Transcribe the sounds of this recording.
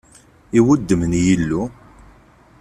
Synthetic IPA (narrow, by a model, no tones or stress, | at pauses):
iwʊd̪ːəmənjilːu